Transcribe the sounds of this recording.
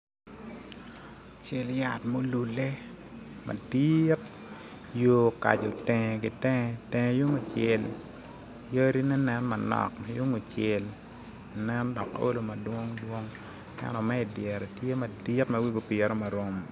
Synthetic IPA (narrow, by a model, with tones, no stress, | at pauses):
t͡ʃe˨lja˨tmo˦lu˨le˦ | ma̰˨dit̚ | joː˨ka̰˨d͡ʒo˨tɛ˨ŋ˨ɡɪ˨tɛ˦ŋ˦tɛ̃˨ŋ˨ju˦ŋo˨t͡ʃe˨l | jo˦ɾi˦nɛ˦nɛ˦nma˨nɔ̰˨k̚ma˨ju˦ŋo˨t͡ʃe˨l | nɛ˦ndɔ˨ko̰˦lo˨mɐ˨dwo˦ŋdwo˦ŋ | kɛ̰˦nɔ˨mɛ˦ɪ˨djɛ˨ɾɔ˨tje˦mɐ˨di˦tmɐ˦wi˦ɡo˨pi˨e˨ɾo˦ma˨ɾo˦m